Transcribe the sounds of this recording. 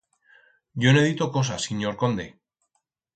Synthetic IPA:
ɟ͡ʝoneðit̪oko̞s̬asiɲoɾko̞nd̪e̞

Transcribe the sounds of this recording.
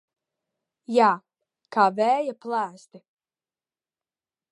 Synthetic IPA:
jaː | kaːvɛːjaplˠæːst̪i

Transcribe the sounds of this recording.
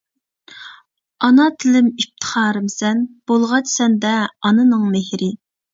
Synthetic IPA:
ɑnɑt̪ʰɪlɪmip̚t̪ʰə̥χɑːɾɨmsɛnb̥olˠʁɑt͡ʃsɛnd̪ɛɑnɨnɨŋmehɾɪ

